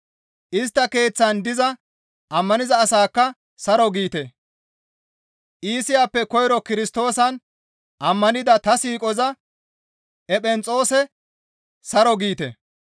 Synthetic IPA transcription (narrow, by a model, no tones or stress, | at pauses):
ʔɪs̬t̪ːɐke̞ːt͡sːɐnd̪ɪzɐ | ʔɐmːɐnɪzɐːsaːkːɐ | sɐɾɔɡiːt̪e | ʔiːsɪjaːpːɛkɔjɪɾɔkɪɾɪst̪o̞ːsɐn | ʔɐmːɐnɪd̪ɐt̪ɐsiːkʼɔzɐ | ɛpʼɛnt͡sʼo̞ːsɛ | sɐɾɔɡiːt̪ḛ